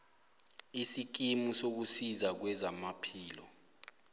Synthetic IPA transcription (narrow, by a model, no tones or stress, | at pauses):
isik̬imusok̬usizak̬wɛzamapʰiːlɔ̰